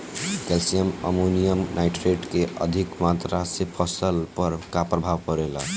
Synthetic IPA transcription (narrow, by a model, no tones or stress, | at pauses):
kelsijəmə̰munijəmnaɪʈɾeʈkeʔə̰d̪ʱikmat̪ɾasepʰəsəlpəɾkapɾəbʱaʋkəɾelə̰